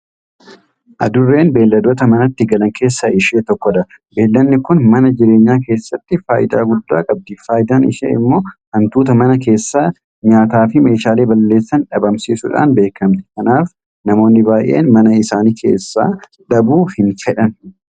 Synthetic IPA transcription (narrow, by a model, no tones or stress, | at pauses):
ʔɐd̪ʊrːe̞ːnbe̞ːlːɐd̪o̞ːt̪ɐmɐnɐt̪ːɪɡɐlɐŋke̞ːsːɐɪʃeːt̪ɔkːɔd̪ɐ | be̞ːlːɐnːɪkʊnmɐnɐd͡ʒɪɾe̞ːɲːaːk̬e̞ːsːɐt̪ːɪfaːʔɪd̪a̰ːɡʊd̪ːa̰ːkʼɐb̚d̪iːfaːjɪd̪aːnɪ̰ʃḛːɪ̰mːo̞ːhɐnt̪uːt̪ɐmɐnɐke̞ːsːaː | ɲaːt̪aːfɪme̞ːʃaːle̞ːbɐlːe̞ːsːɐnᶑɐbɐmsiːsʊᶑa̰ːnbe̞ːkɐmt̪ɪ̥kɐnaːf | nɐmo̞ːnːɪbaːjʔḛːnmɐnɐɪsaːniːkʰe̞̰ːsːa̰ː | ᶑɐbuːhɪnfɛᶑɐn